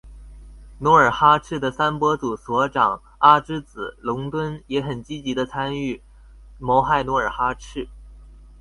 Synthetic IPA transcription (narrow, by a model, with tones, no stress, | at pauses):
nwɔ˧˥ə˞˨˩xa˥ʈ͡ʂʰɻ̩˥˩d̪ə˩sa˥npwɔ˥t͡su˨˩swɔ˧˥ʈ͡ʂɑ˨˩ŋ | a˥ʈ͡ʂɻ̩˥t͡sɹ̩˨˩lʊ˧˥ŋt̪wə˥njɛ˧˥xə˨˩nt͡ɕi˥t͡ɕi˧˥d̪ə˧t͡sʰa˥ny˥˩ | mɔ˧˥xa˥˩ɪnwɔ˧˥ə˞˨˩xa˥ʈ͡ʂʰɻ̩˥˩